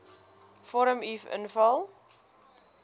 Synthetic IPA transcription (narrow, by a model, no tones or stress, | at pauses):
fɔɾəmifə̰nfɐlˠ